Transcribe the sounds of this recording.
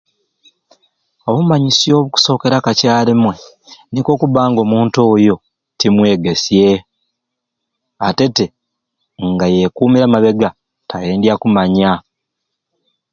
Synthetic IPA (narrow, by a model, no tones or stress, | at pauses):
o̞βumaɲisjo̞ːβuku̥so̞ːke̞ɾakacaːlimwe̞ | niko̞ːkuβaːŋɡo̞ːmuːntoːjo̞ | timwe̞ːɡe̞sje̞ | ate̞te̞ | ŋɡaje̞kuːmiɾamaβe̞ɡa | taje̞ːndjakumaɲa